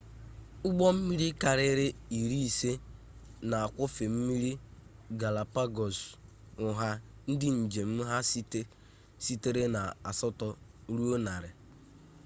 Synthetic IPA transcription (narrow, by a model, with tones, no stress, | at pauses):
ʊ˦ɡ͡bɔ˦m̩˦mi˦ɾi˦ka˨ɾɪ˦ɾɪ˦i˨ɾi˦i˨se˦ | na˨a˨kʷʊ˦fe˨m̩˦mi˦ɾi˦ɡa˨la˨pa˦ɡɔ˨s | ʊ˨ɦa˦ | n̩˦dɪ˦n̩˨d͡ʒe˨m̩˦ɦa˦st | si˦te˦ɾe˦na˨a˨sɔ˦tɔ˦ | ɾu˦o˦na˨ɾɪ˨